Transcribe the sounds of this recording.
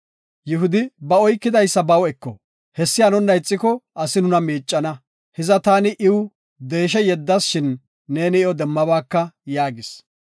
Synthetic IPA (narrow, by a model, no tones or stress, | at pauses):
jʊɦʊd̪ɪbɐɔjkːɪd̪ɐjsːɐbɐwɛkːɔ̰ | hɛsːɪjanɔnːɐjt͡sʼːɪkɔɐsɪnʊnɐmiːt͡ʃʼːɐnɐ | hɪzɐt̪aːnɪʔɪwʊ | d̪e̞ːʃ̬ɛjɛd̪ːɐsʃɪnː | e̞ːnɪɪɔd̪ɛmːɐbaːkːɐjaːɡɪs